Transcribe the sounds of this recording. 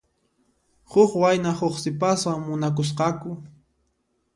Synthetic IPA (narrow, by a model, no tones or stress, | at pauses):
hʊχwajnahoχsɪpaswaŋmʊnak̬ʊs̬qɑkʊ